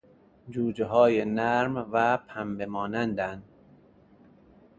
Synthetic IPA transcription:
d͡ʒuːd͡ʒeɦɒːjenæɾmvæpʰæmbemɒːnænd̪ænd̪

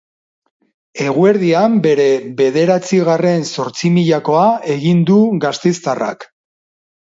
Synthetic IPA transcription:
e̞ɣ̞ue̞ɾðiambe̞ɾe̞βe̞ð̞e̞ɾat͡siɣ̞are̞nso̞ɾt͡simiʎako̞ae̞ɣind̪uɣast̪ejst̪ara̰k

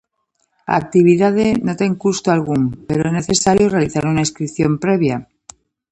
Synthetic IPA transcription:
a̰ːk̚t̪iβ̞iðaðeno̞t̪e̞ŋkust̪oalɣ̞umpe̞ɾoene̞θe̞saɾjore̞aliθaɾunaiskɾipθjo̞mpɾe̞β̞ja

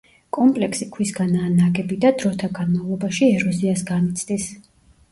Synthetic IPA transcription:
kʼɔmpʼlɛksikʰwisɡanaːnaɡɛbid̪ad̪ɾɔt̪ʰaɡanmavlˠɔbaʃiɛɾɔziasɡanit̪sʰd̪is

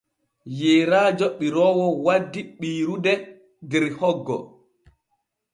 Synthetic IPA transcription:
jeːɾaːd͡ʒɔɓiɾɔwɔwadːiɓiːɾudɛ | dɛɾhɔɡːɔ̰

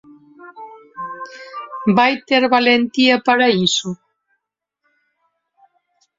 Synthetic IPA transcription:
bajt̪eɾβalent̪iapaɾaisu

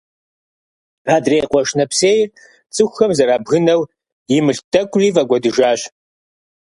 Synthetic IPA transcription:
raːdrejqʷʼɔʃnɐpseːjr | t͡sʼɨxʷxɐmzɐɾaːbɣɨnɐw | jɪmɨɬtʰʼɐkʷʼɮiːvɐɡʷɔdɨʒaːɕ

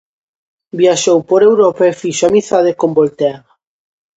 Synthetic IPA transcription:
bjaʃowpoɾewɾopaefiʃoamiθað̞ekombolt̪eaɣa

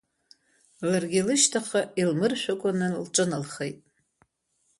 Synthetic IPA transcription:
larɡʲɪlɨʃtʰaχailmɨrʃʷᶣakʷʼanɨlʈ͡ʂʼɨnalχejtʼ

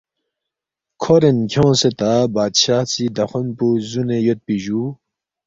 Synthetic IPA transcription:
kʰoɾenkʰjõːset̪abaːd̪ɕaːht͡sid̪ɐxunpuzunejot̪̚piʑu

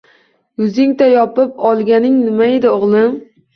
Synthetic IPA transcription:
jʊzɪŋt̪ʰajɒpɪpɒlˠɡʲanɪŋnɪmaed̪ɪoʁlˠɪm

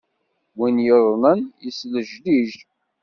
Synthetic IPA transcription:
winjəðˤnənjisləʒliʒ

